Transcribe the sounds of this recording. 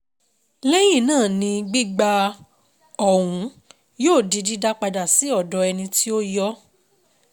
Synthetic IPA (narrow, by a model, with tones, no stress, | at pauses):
le˦ji˦˨nãː˦˨nĩ˧ɡ͡bi˦ɡ͡ba˧ | ɔ˨wũ˨˧˦ | joː˦˨di˨˧di˦da˦k͡pa˧da˨si˨˦ɔ˦˨dɔ˨˧˦ɛ˧nĩ˧ti˦o˦jɔ˦